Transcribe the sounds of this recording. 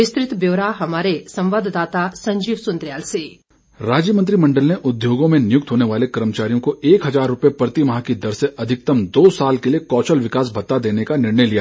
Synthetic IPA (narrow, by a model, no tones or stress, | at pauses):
ɪst̪ɾɪt̪bjoːɾaːɦɐmaːɾesɐ̃mʋaːd̪ʱd̪aːt̪asɐ̃ɲd͡ʒiːʋsʊ̃nd̪ɾɪjaːlse | ɾaːd͡ʒjəmə̃nt̪ɾimɐ̃ɳɖəlneʔʊd̪joːɡõmẽnɪjʊk̚t̪ɦoːneʋaːlekɐɾmət͡ʃaːɾijõkoeːkɦɐzaːɾːʊpepɾɐt̪imɐɦakid̪ɐɾseʔɐd̪ʱɪk̚t̪ɐmd̪oːsaːlkeliekɔːt͡ʃəlʋɪkaːs̬bʱɐt̪ːad̪eːnekanɪɾɳəjlijaː